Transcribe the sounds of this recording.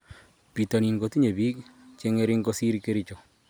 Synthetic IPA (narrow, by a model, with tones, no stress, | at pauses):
pi˨to˨ni˨nko˦ti˦ɲe˨bi˦kt͡ʃe˦ŋe˦ɾɪ˦ŋko˦si˦ɾike˦ɾit͡ʃo˨